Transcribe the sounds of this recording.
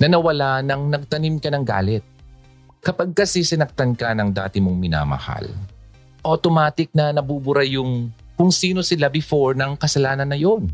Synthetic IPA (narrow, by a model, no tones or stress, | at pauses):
nɐnɐwɐlaʔnɐŋnɐɡ̚t̪ɐnimkɐnɐŋɡa̰ːlɛt̪̚ | kɐpɐɡ̚kɐsisɪnɐk̚t̪ɐnkɐnɐŋd̪a̰ːt̪ɪmoŋmɪna̰ːmɐ̰ha̰l | ʔot̪omaːt̪ɪk̚nɐnɐbubʊɾajʊŋ | kʊŋsiːno̞sɪlabɪfo̞ɹnɐŋkɐsɐlaːnɐnːɐjo̞n